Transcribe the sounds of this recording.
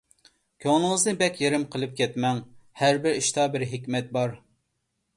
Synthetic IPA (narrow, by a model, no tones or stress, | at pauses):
kʲʰoŋnɨŋəznɨbɛkʲjeɾɪmqʰəlˠɨp̚kʲɛt̪mɛŋhæɾbɪɾiʃt̪ɑbɪɾɦɪkʲmɛt̪̚bɑɾ